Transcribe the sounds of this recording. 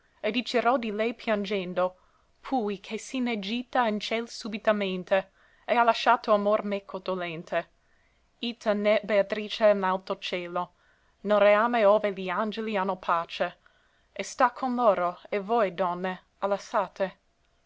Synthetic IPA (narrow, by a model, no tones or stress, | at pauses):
ed̪it͡ʃeɾɔd̪ilɛjpʰjand͡ʒɛnd̪o | pʰujkʰesined͡ʒit̪aint͡ʃɛlsubit̪ament̪e | ealaʃaːt̪oamormɛkʰːod̪̥olɛnt̪ʰe | it̪ʰanɛbeat̪ɾiːt͡ʃenalt̪ot͡ʃɛːlo | nelreaːmeoːveliand͡ʒelianːopʰaːt͡ʃe | est̪akʰonloːɾoevojd̪ɔnːe | alasaːt̪e